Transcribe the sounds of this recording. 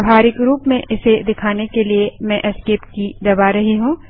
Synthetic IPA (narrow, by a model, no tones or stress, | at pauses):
baːɾɪkɾuːpmẽʔɪsed̪ɪkʰaːnekeliemɛ̃ʔɐskeːpkid̪ɐbaɾɐɦeɦũː